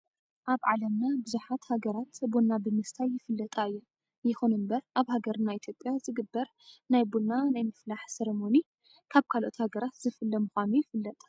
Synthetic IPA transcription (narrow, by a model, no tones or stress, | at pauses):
ʔaβʕalɐmnabɨzuħat̪haɡɐɾat̪bonːabɨnɨst̪ʰajːɪfɨlːɐt̪ʼajːu | jɪxonɨmbɐɾʔaβhaɡɐɾnait̪ʰjo̞pʼːjazɨɡɨbːɐɾ | najbonanajmɨflaħsɐɾemo̞ni | kʰaβkʰalʔo̞̰t̪haɡɐɾat̪zɨfɨlːɐmuxʷanujɪfɨlːɐt̪ʼ